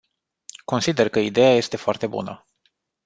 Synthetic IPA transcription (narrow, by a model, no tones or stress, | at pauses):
ko̞nsid̪e̞rkəid̪e̞jaje̞st̪e̞foart̪e̞bṵnə̰